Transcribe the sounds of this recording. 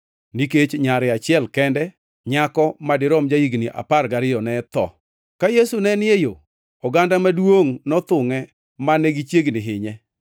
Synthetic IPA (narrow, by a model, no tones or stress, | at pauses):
niket͡ʃɲaɾɪat͡ʃɪɛlkɛndɛ | ɲakɔmadɪɾɔmd͡ʒaiɡniʔa̰parɡaɾɪjɔnɛt̪ɔ̰ | kajesunɛnɪejo | ɔɡandamadwoŋnɔt̪ʊŋɛ | maneɡit͡ʃjeɡnɪɦɪɲɛ